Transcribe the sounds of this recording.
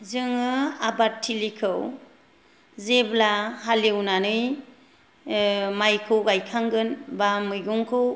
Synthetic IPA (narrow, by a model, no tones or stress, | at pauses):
zɯŋɯabatʰːilikʰɯw | zeblahalewnanɯj | majkʰɯwɡajkʰaŋɡɯnbamɯjɡuŋkʰɯw